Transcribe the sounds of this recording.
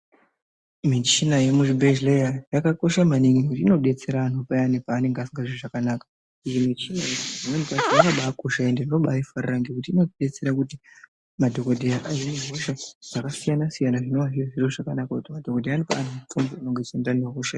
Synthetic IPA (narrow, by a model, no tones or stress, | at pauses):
mit͡ʃinajemuʐibeʒlejajakako̞ʃamaniŋikutiino̞ɓe̞t͡se̞ɾaːnupaanipaːne̞ŋɡeasiŋɡaʐiroʐakanakḁ | ijimit͡ʃinajeʐinwemikaziaŋɡaɓaːkoʃae̞ndeno̞ɓaifarraŋɡekutiino̞ɗe̞t͡se̞ɾakuti | madʱo̞kodʱejaʔajineɦoʃaʐ̥akasijanasijanaʐino̞ʋaʐieʐiroʐakanakakutimadʱokodʱeanipa̰ːn̤umut͡sombouno̞ŋɡet͡ʃendaneɦoʃa